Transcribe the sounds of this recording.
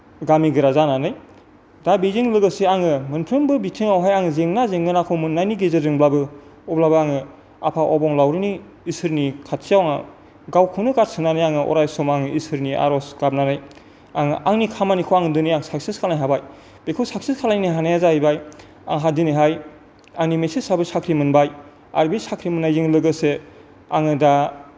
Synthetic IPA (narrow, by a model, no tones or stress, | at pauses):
ɡamiɡɯɾazananɯj | dabizeŋlɯɡɯseaŋɯmɯnpʰɾɯmbɯbitʰiŋawɦajaŋzeŋnazeŋɯnakʰɔmɯnajniɡezezɯŋblabɯ | ɔblabɯaŋɯ | a̰pʰaʔɔbɔŋlawɾɯniː | sɯɾnikʰatsijawaŋa | ɡawkʰɯnɯkaɾ̚sɯŋnanɯjaŋɯʔɔ̰ɾajsɔmaŋisɯɾniʔa̰ɾɔskab̚nanaj | aŋɯʔaŋnikʰamanikʰɔwaŋɯdɯnɯjaŋsak̚siskʰalnajɦabaj | b̥ekʰɯsaksiskʰalaniniɦanajazaibaj | a̰ŋɦadinɯjɦaj | aŋnimesisabɯsakʰɾimɯnbaj | a̰ɾbisakʰɾimɯnːajziŋlɯɡɯse | aŋɯda